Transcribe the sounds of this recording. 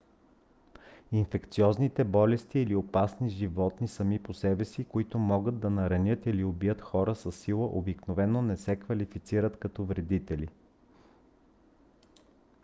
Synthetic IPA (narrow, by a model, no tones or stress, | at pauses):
infɛkt̪siɔznit̪ɛbɔlɛst̪iːliopasniʒivɔt̪nisɐmiposɛbɛsikoit̪ʊmɔɡəd̪̚d̪ɐnɐɾɐnʲɤt̪iliobijət̪xɔɾəsɐsːilˠəʔobiknovɛnːonɛsɛkvɐlifit̪siɾət̪kɐt̪ɔvɾɛd̪it̪ɛli